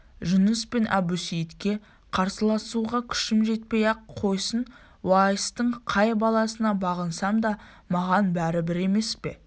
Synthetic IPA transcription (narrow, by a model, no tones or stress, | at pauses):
ʒʊnəspe̞nʔɑ̰busijt̪kʲe̞ | qʰɑɾsəlˠɑsuʁɑkʲʰʏ̥ʃɪmʒe̞t̪̚pe̞jɑqqʰo̞jsən | wɑjəst̪əɴqʰɑjbɑlˠɑsənɑbɑʁənsɑmd̪ɑ | mɑʁɑnbæɾɪbɪɾe̞me̞spe̞̰